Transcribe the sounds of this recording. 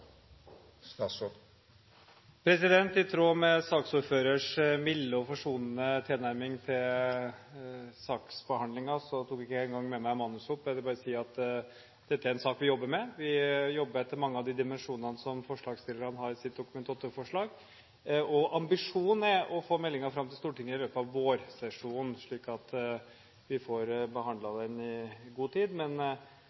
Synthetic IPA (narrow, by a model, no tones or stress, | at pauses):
pʰɾɛsɪd̪ɛnt̪ɪt̪ʰɾoːmɛsɑːksuɾføːɾəʂmɪlːəɔfɔʂuːnənət̪ʰɪlnæɾmɪŋt̪ʰɪl | sɑːksbəhɑnd̪lɪŋɑsɔt̪ʰuːkɪkːəɛːnŋɡɑŋːmɛmæɪmɑnːʉsʊpːʋɛld̪ɛbɑːɾəsiːɑt̪ | d̪̥ɛt̪ːəæɾɛnsɑːkʋɪjɔbːəɾmɛʋɪjɔbːəɾɛt̪ːəɾmɑŋːəɑʋd̪ɪd̪ɪmɛnʂuːnnənəsɔmfɔʂɭɑːɡst̪ɪlːəɾənɦɑɾɪsɪt̪̚d̪ʊkʉmɛnʰɑt̪əfɔʂɭɑːɡ | ʔɔʔɑmbɪʂuːnɛʔɔfoːmɛlːɪŋɑfɾɑmːt̪ʰɪlst̪uːʈɪŋːəɪløːpɑʋːoːɾsɛʂuːnʂɭiːkɑt̪ | ʋɪfɔɾbəɦɑnd̪lɑd̪ɛnɪɡuːt̪ʰiːd̪mɛn